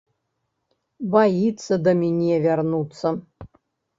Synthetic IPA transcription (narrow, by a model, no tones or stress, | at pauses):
bajit̪sɐd̪ɐmʲinʲɛvʲarnut̪sɐ